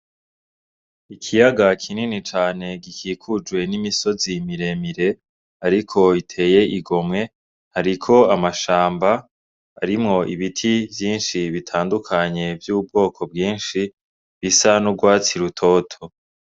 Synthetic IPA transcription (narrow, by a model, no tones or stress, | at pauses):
ikʰijaɡakʰininit͡ʃaːne̞ɡikʰiːkʰud͡ʒɡwe̞nimiso̞zimiɾe̞miɾe̞ | aɾikʰo̞itʰe̞ːje̞ʔiɡo̞mŋe̞ | haɾikʰo̞amaʃaːmba̰ː | ɾimŋo̞ʔiβitʰivjiːnʃiβitʰaːndukʰaɲe̞vjuːbɡo̞ːkʰo̞b̚ɡiːnʃi | βisanuɡwaːt͡siɾutʰo̞ːtʰo